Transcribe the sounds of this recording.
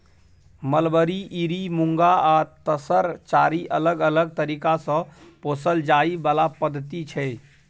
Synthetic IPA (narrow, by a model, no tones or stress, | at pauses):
məlbəɾiʔiɾimũŋɡaat̪əsəɾt͡ʃaːɾiʔələɡələɡ̚t̪əɾiːkasə̃poːsəld͡ʒaːibalapəd̪ʱːət̪it͡ʃʰɛ